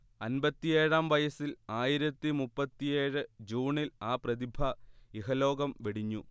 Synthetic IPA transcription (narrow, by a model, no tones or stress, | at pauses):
ɐnbɐt̪ːijeːɻaːmʋɐjɐsilaːjiɾɐt̪ːimupːɐt̪ːije̞ːɻɨd͡ʑuːɳilaːprɐðibʱɐiɦɐlo̞ːɡɐmʋeɽiɲːu